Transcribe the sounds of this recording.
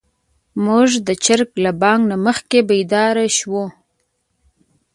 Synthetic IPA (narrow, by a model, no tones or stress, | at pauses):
mʊʐd̪ət͡ʃaɾklabɑŋɡnaməxkebejd̪ɑɾaʃwo